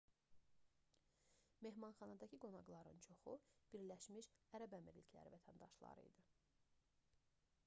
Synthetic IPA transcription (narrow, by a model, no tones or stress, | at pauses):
me̞ɦmɑnχɑnɑd̪ɑcʰiɡo̞nɑɡlˠɑɾɯ̰nt͡ʃʰo̞xub̥iɾlæʃmiʃæɾæbæmiɾlicʰlæ̰ɾḭvæt̪ʰænd̪ɑ̰ʃlˠɑ̰ɾɯ̰id̪ɯ